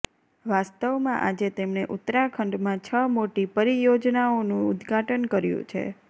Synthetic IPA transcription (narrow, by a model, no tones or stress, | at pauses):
ʋast̪əʋmã̰ʔad͡ʒet̪emneʔʊt̪ɾakʰəɳɖmãt͡ʃʰəmoʈipəɾijod͡ʒnaonũʊd̪ɡʱaʈənkəɾjṵ̃t͡ʃʰḛ